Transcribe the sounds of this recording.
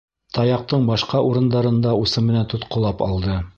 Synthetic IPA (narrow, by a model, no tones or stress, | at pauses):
t̪ɑjɑq̚t̪ɤɴbɑʃqɑʔuɾɤ̆nd̪ɑɾɤ̆nd̪ɑusɤmɘ̆nænt̪ŏt̪qŏlˠɑpɑ̰lˠd̪ɤ